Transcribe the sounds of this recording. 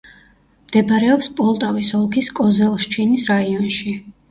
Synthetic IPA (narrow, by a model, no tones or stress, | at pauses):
md̪̥ɛbɾɛɔpspʼɔlˠt̪ʼavisɔlˠkʰiskʼɔzɛlˠʃt͡ʃʰinisɾaiɔnʃi